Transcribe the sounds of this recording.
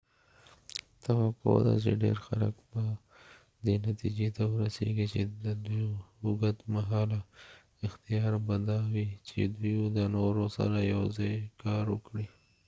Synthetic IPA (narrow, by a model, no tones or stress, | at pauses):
t̪awako̰d̪a̰t͡ʃeɖḛɾxalakba | d̪enat̪id͡ʒet̪awəɾasḛɡit͡ʃed̪əd̪ujhʊɡat̪maɦɑla | ɪxt̪ijɑɾbad̪ɑwit͡ʃḛd̪ujud̪ənoɾosa̰ɾajawzɑjkɑɾwəkɽi